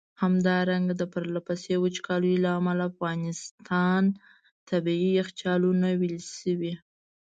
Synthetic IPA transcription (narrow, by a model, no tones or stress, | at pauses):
hamd̪ɑɾaŋɡad̪əpəɾlapasewʊt͡ʃkʰɑlujlaamalaːfɣɑnɪst̪ʰɑn | t̪abiiɪxt͡ʃ̪ɑlunawilʃəwi